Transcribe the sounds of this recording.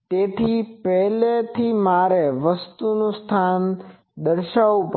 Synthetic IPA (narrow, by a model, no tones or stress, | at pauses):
t̪et̪ʰipɛɦlet̪ʰimaɾeʋəst̪unũst̪ʰan | d̪əɾʃaʋp